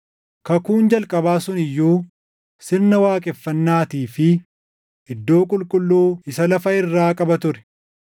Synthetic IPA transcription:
kɐkuːnd͡ʒɐlkʼɐbaːsʊnɪjːuː | sɪɾnɐwaːkʼɛfːɐnːaːt̪iːfɪ | ʔɪd̪ːo̞ːkʼʊlkʼʊlːuːɪsɐlɐfɐɪrːaːkʼɐbɐt̪ʊɾɛ̥

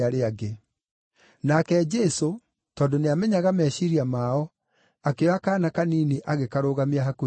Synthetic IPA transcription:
aɾeaɡe | nakɛd͡ʒɛso | tɔːndɔneamɛɲaɣamɛʃiɾiamaɔ | akeɔakaːnakaniːneʔaɣekaɾoːɣameaɦako

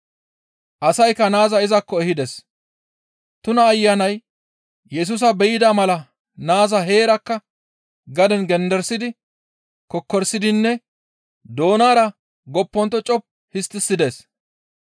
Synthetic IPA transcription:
ʔɐsɐjkːɐnaːzɐɪzɐkːɔɛhɪd̪ɛs | t̪ʊnɐːjːanɐj | jɛs̬us̬ɐbɛjɪd̪aːmɐlɐ | naːzɐɦe̞ːɾɐkːɐ | ɡɐd̪ɛnɡɛnd̪ɛɾsɪd̪ɪ | kɔkːɔɾsɪd̪ɪnːɛ | d̪o̞ːnaːɾɐ | ɡɔpːɔnt̪ːɔt͡ʃʼɔp̚ | hɪst̪ːɪsːɪd̪es

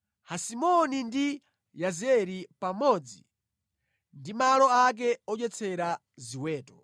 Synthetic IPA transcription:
hasimɔnindi | jazɛɾipamɔd͡zi | ndimalɔak̬ɛɔt͡ʃɛt͡sʰɛɾa | ziwɛːtɔ

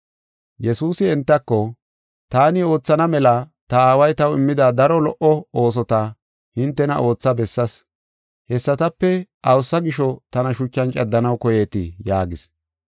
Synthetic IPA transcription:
jɛsuːsɪɛnt̪ːɐkːɔ | t̪aːnɪo̞ːt͡sːɐnɐmɛlɐt̪ɐaːwɐjt̪ɐwɪmːɪd̪ɐd̪ɐɾɔlɔʔɔoːs̬ɔt̪ɐ | hɪnt̪ːɛnɐ̰ʔo̞ːt͡sːɐbɛsːɐs | hɛsːɐt̪ɐpːɛʔɐwsːɐɡɪʃɔt̪ɐnɐʃʊt͡ʃːɐnt͡ʃʼɐd̪ːɐnɐwkɔjeːt̪ɪ̰jaːɡɪs

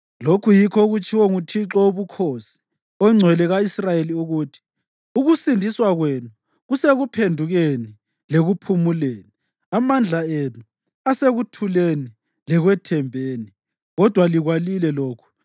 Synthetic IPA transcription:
lokʰujikʰɔuɣut͡ʃʰʼiwɔŋutʰiǁɔoβukʰosi̥ | ɔŋ͡ǀʱwɛlɛɣaisrajeliuɣuːtʰi̥ | uɣusindʱiswaɣwenu | ɣuseɣupʰendʱuɣeni | leɣupʰumuleːni | amand͡ɮʱaenu | aseɣutʰuleni | lɛɣwɛtʰɛmbʱeːni | ɣɔd̥ʱwaliɣwalilɛloːkʰu̥

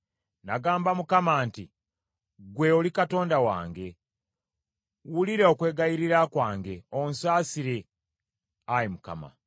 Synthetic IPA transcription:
naɡaːmbamukamaːnti | ɡwe̞olikato̞ːndawa̰ːŋɡe̞ | wuliɾeokwe̞ːɡajiɾiɾakwaːŋɡe̞onsaːsiɾe̞ | ajimuka̰ma̰

